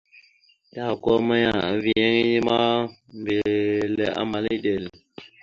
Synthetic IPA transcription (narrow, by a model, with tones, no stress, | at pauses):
da˨kɔ˦ma˦ja˨vi˨jɛ˦ŋi˦ji˦ma˦m˨be˨lɛ˨a̰˦ma˨li˦de˨l